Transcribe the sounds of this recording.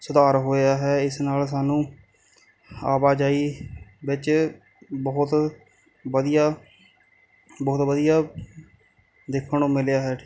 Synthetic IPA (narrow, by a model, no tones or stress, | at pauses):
sʊd̪aːɾɦoːjaːɦɛːɪsnaːls̬aːnũː | a̰ːbaːd͡ʒaːiːbɪt͡ʃ | bɔːʊt̪ | ʋəd̪ijaː | bɔːt̪ʋəd̪ijaː | d̪ɪkʰːəɳõːmɪljaːɦɛːʈʰi̥